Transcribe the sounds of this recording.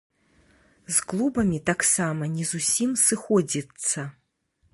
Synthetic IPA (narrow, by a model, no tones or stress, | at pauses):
zklˠubɐmʲit̪aksamɐnʲɛzusʲimsɨxɔd͡zʲit̪sːɐ